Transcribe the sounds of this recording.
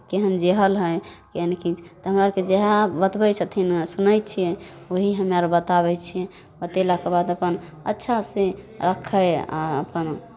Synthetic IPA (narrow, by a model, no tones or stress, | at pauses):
keɦənd͡ʒeɦəlɦəjkeɦənkit͡ʃʰt̪ɔɦəmɾaked͡ʒeɦabət̪bɛt͡ʃʰət̪ʰinsunəjt͡ʃʰiɛoɦiɦəmaɾbət̪aβɛt͡ʃʰijɛ | ət̪elakebad̪əpən | ətːʃʰasẽ | ɾəkʰːəja̰ə̰pən